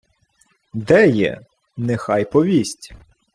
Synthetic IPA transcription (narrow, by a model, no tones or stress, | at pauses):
d̪ɛjɛ̰ | nɛxɑjpɔʋʲisʲtʲ